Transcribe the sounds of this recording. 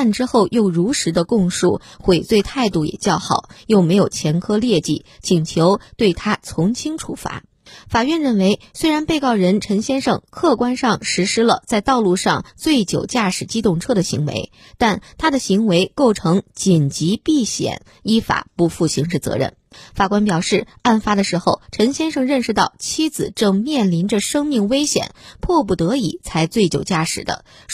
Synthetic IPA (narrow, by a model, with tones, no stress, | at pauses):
a˥˩nʈ͡ʂɻ̩˥xo˥˧ʊjo˥˩ʊɻu˧˥ʂɻ̩˧˥d̪ə˧kʊ˥˧ŋʂṵ˥˩xwe˨˩ɪt͡swe˥˧ɪt̪ʰa˥˧ɪt̪u˥˩jɛ̰˨˩t͡ɕjɑ˥˩ʊxɑ˨˩˦ʊjo˥˩ʊme˧˥ɪjo˨˩ʊt͡ɕʰjɛ˧˥nkʰɤ˥ljɛ˥˧t͡ɕḭ˥˩t͡ɕʰi˨˩ŋt͡ɕʰjo˧˥ʊt̪we˥˩ɪt̪ʰa˥t͡sʰʊ˧˥ŋt͡ɕʰi˥ŋʈ͡ʂʰṵ˥˩fa̰˧˥ | fa˨˩ɥɛ˥˧nɻə˥˩nwe˧˥ɪswe˥ɪɻa˧˥npe˥˧ɪkɑ˥˩ʊɻə˧˥nʈ͡ʂʰə˧˥ŋɕjɛ˥nʂɤ̰˥˧ŋkʰɤ˥˩kwa˥nʂɑ˥˧˩ŋʂɻ̩˧˥ʂɻ̩˥lə˧t͡sa˥˧ɪt̪ɑ˥˧ʊlu˥˧ʂɑ˥˧ŋt͡swe˥˩ɪt͡ɕjo˨˩ʊt͡ɕja˥˩ʂɻ̩˨˩t͡ɕi˥t̪ʊ˥˩ŋʈ͡ʂʰɤ˥˩d̪ə˩ɕi˧˥ŋwḛ˧˥ɪ | t̪a˥˩nt̪ʰa˥d̪ə˨ɕi˧˥ŋwe˧˥ɪko˥˩ʊʈ͡ʂʰɤ˧˥ŋt͡ɕi˨˩nt͡ɕi˧˥pi˥˩ɕjɛ̰˨˩˦n | i˥fa̰˨˩pu˧˩fu˥˩ɕi˧˥ŋʂɻ̩˥˩t͡sɤ̰˧˥ɻə̰˥˩n | fa˨˩kwa˥npjɑ˨˩ʊʂɻ̩˥˩a˥˩nfa˥d̪ə˨ʂɻ̩˧˥xo˥˩ʊʈ͡ʂʰə˧˥nɕjɛ˥nʂɤ˥˧ŋɻə˥˩nʂɻ̩˧t̪ɑ˥˩ʊt͡ɕʰi˥d͡zɹ̩˨˩ʈ͡ʂɤ˥˧ŋmjɛ˥˩nli˧˥nʈ͡ʂə˧ʂɤ˥ŋmi˥˩ŋwe˥ɪɕjɛ̰˨˩˦npʰwɔ˥˧p̬u˥˩t̪ɤ˧˥i˨˩˦t͡sʰa˧˥ɪt͡swe˥˩ɪt͡ɕjo˨˩ʊt͡ɕja˥˩ʂɻ̩˨˩d̪ə̰˦